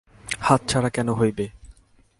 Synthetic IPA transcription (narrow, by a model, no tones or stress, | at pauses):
hat̪̚t͡ɕʰaɽakɛnoɦojbe